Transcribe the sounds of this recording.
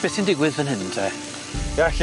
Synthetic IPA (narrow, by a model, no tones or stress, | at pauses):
b̥ɛsɪndɪɡwɪðə̃nɦɪntʰɛ | jaɬ